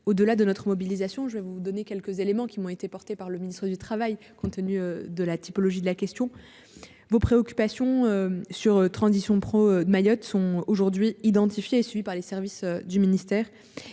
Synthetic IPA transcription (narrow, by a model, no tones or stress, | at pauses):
od̪əlad̪ənɔt̪χəmɔbilizasjɔ̃ʒəvɛvud̪ɔnekʲɛlkəzelemɑ̃kʲiɔ̃et̪epɔʁt̪epaʁləminist̪χəd̪yt̪χavaj | kɔ̃t̪ːənyød̪əlat̪ipɔlɔʒid̪əlakʲɛst̪jɔ̃ | vopχeɔkʲy̥pasjɔ̃øsyʁt̪χɑ̃zisjɔ̃pχoømajɔt̪sɔ̃oʒuʁd̪ɥiid̪ɑ̃t̪ifjeːsɥivipaʁlesɛʁvisød̪yminist̪ɛːʁ